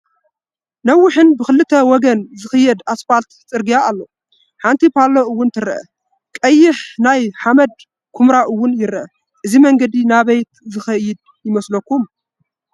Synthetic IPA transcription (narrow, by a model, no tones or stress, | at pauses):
nɐwːʊħɨnbɨxɨlːɨt̪ʰːɐwɔɡɐnzɨxɨjːɛd̪asfalt̪t͡sʼɨɾɡijaːlːo | ħant̪ʰipʰaloɨwːʊnt̪ʰɨɾɐ̰ʔɐ̰ | kʼɐjːɪħnajħamɐd̪̚ | kʰumɾaʔɨwːʊnjɪɾɐʔɐ | ʔɨzimɐŋɡɐd̪inaβɐjt̪zɨxɐjɪd̪̚ | jɪmɐslɐkːum